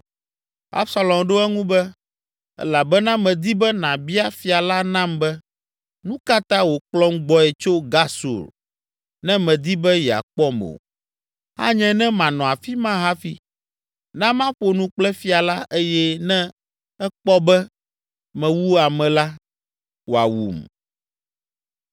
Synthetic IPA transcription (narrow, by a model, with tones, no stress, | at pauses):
a̰˦bsa˨lɔ˨mɖo˦ɛ˦ŋũ˦bɛ˦ | ɛ̰˦la˨bɛ˦nã˦mɛ̃˨d̪i˦bɛ˦nã˨bi˦a˦fi˨a˨la˦nã˦mbɛ˦ | nũ˦ka˦t̪ã˦wo˨k͡plɔ˦ŋɡ͡bɔ˦ɛ˨t͡ʃo˦ɡa˦sṵ˨ɾ | nɛ̃˦mɛ̃˨d̪i˦bɛ˦ja̰˨k͡pɔ˦mo̰˨ | ha̰˦ɲɛ̃˦nɛ̃˦mã˨nɔ̃˨a˨fi˦mã˦ɦa˦fi˦ | nã˦mã˦ɸo˨nũ˦k͡plɛ˦fi˦a˨la˦ʔe˦jɛ˦nɛ̃˦ | ɛ˦k͡pɔ˦bɛ˦ | mɛ̃˨wu˦a˨mɛ̃˨la˦ | wo˨a̰˨wṵ˨m